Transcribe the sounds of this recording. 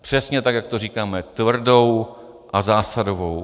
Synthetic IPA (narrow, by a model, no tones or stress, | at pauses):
pr̝̥ɛsɲɛt̪akjakt̪oriːkaːmɛt̪vr̩do̞w | ʔazaːsadovo̞w